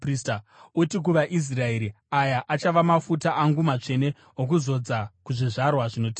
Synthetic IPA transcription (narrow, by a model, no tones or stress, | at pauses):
pristautik̬uʋaʔis̬rae̞ɾi | ajaʔat͡ʃaʋamafutaʔaŋɡumat͡ʂe̞ne | ok̬uzo̞d͡zakuʐiʐarwaʐino̞tiːa